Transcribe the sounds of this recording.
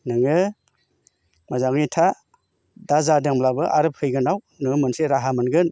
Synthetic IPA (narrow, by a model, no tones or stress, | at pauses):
nɯŋɯ | mazaŋnitʰa | dazadeŋmlabɯʔa̰ɾɯp̚ʰɯjɡɯnaw | nɯŋɯmɯnseɾaɦamɯnɡɯn